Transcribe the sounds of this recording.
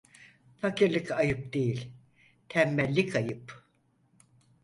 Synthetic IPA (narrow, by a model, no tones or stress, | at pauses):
facʰiɾlʲˠɯkajɯp̚d̪ejilʲ | t̪ʰɛmːɛlʲːikʰajɯp